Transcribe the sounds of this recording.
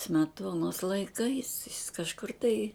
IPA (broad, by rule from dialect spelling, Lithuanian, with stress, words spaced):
sʲmʲɛˈtuɔnoːs lˠɐɪˈkɐɪs jɪs kɐʃˈkʊr tɐɪ